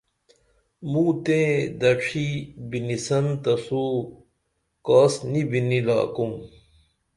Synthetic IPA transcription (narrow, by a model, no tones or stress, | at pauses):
mũt̪ẽd̪ɐʈ͡ʂʰibinisɐnt̪ɐsu | kaːsnibinila̰ːkum